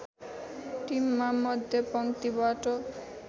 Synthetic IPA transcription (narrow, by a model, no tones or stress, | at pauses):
ʈimːamːɔd̪ʱepɔnt̪ibaʈo